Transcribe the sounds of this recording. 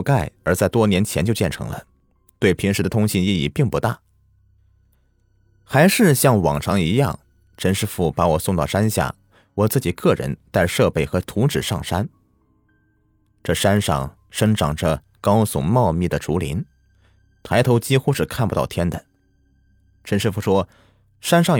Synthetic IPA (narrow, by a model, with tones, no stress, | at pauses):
ka˥˩ɪə˞˧˥t͡sa˥˧ɪt̪wɔ˥njɛ˧˥nt͡ɕʰjɛ˧˥nt͡ɕjo˥˧ʊt͡ɕjɛ˥˩nʈ͡ʂʰɤ̰˧˥ŋlə̰˧ | t̪we˥˩ɪpʰi˧˥nʂɻ̩˧˥d̪ə˧t̪ʰʊ˥ŋɕi˥˧ni˥˧i˥˩pi˥˩ŋpu˧˥t̪a˥˩ | xa˧˥ɪʂɻ̩˥˧ɕjɑ˥˩ŋwɑ˨˩ŋʈ͡ʂʰɑ˧˥ŋi˧˥jɑ˥˩ŋ | ʈ͡ʂə˥nʂɻ̩˥˧fu˥˩pa˧˥wɔ˨˩sʊ˥˧ŋt̪ɑ˥˩ʊʂa˥nɕja̰˥˩ | wɔ˨˩t͡sɹ̩˥˩t͡ɕi˨˩kɤ˥˩ɻə̰˧˥nt̪a˥˧ɪʂɤ˥˧pe˥˩ɪxɤ˧˥t̪ʰu˧˥ʈ͡ʂɻ̩˨˩ʂɑ̰˥˩ŋʂa˥n | ʈ͡ʂɤ˥˩ʂa˥nʂɑ̰˥˩ŋ | ʂə˥ŋʈ͡ʂɑ̰˨˩ŋʈ͡ʂə˧ | kɑ˥ʊsʊ̰˨˧˩ŋmɑ˥˧ʊmi˥˩d̪ə˩ʈ͡ʂu˧˥lḭ˧˥n | t̪ʰa˧˥ɪt̪ʰo˧˥ʊt͡ɕi˥xu˥ʂɻ̩˥˧kʰa˥˩npt̪ɑ˥˩ʊt̪ʰjɛ˥nd̪ə˨˩ | ʈ͡ʂʰə˧˥nʂɻ̩˥˧fu˥˩ʂwɔ˥ | ʂa˥nʂɑ˥˩ŋ